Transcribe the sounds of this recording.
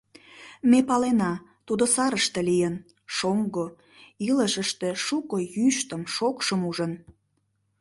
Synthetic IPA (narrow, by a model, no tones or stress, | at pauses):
mepɑlenɑt̪ud̪osɑɾəʃt̪ĕlijən | ʃoŋɡo | iləʃəʃt̪eʃukojyʃt̪əmʃokʃəmuʒən